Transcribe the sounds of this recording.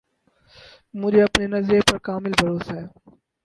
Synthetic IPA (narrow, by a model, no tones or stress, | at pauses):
mʊd͡ʒʱeɐpnenɐzɾepɐɾkaːmɪlbʱɐɾoːsɦɛː